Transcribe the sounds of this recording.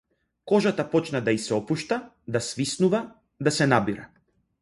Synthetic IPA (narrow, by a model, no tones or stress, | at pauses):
kɔʒat̪apɔt͡ʃnad̪aisɛɔpuʃt̪a | d̪asvisnuva | d̪asɛnabiɾa